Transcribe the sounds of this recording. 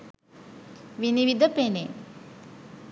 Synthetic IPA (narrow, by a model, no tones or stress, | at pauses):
ʋiniʋid̪əpene